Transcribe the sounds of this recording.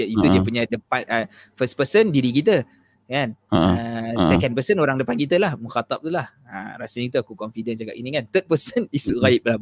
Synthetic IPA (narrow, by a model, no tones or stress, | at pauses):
it̪udiapuɲadəpanʔəfəspəsəndiɾik̬it̪̬ə | kanəsɛkanpəsənoɾaŋdəpankit̪əlahmũxat̪ap̚t̪ulah | ə̰rasəɲkit̪uakukɔnfidənd͡ʒaka̰pinikant̪ət̪̚pəsənisuɣaip̚laba